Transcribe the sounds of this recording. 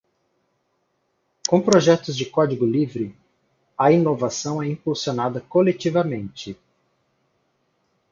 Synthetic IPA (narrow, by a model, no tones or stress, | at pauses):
kõw̃pɾoʒɛt̪ʊzd͡ʒɪkɔd͡ʒiɡʊlivɾɪ | ɐinovasɐ̃w̃ɛĩpulsionad̪ɐkolet͡ʃivɐmẽnt͡ʃɪ